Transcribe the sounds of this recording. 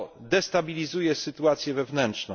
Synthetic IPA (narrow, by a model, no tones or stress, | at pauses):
d̪ɛst̪abʲilʲizujɛsɘt̪uat̪sʲjɛvɛvnɛntt͡ʂnɔ